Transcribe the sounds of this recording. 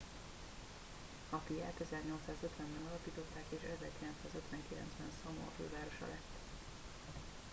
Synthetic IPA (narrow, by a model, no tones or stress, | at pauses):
ɒfija̰ːt̪ɛzɛrɲo̞lt̪saːzøt̪ʋɛmbɛnɒlɒpiːt̪o̞t̪ːaːkeːʃɛzɛ̰rkilɛnt̪saːzøt̪ʋɛŋkilɛ̰ntzbɛnsɒmoɒ̰fø̰ːvaːɾo̞ʃɒ̰lɛt̪ː